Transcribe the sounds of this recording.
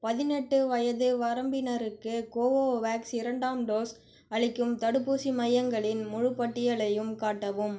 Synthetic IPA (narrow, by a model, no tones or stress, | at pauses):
pɐðɪnɛʈːɯʋɐjɐðɯʋɐɾɐmbɪnɐɾɯkːɯkoːʋoːʋaːksɪɾɐɳɖaːmɖoːs | ɐɻɪkːɯmt̪ɐɽɯpːuːsimɐjɐŋɡɐɭɪnmʊɻʊpːɐʈːɪjɐɭɐjɯmkaːʈːɐʋɯm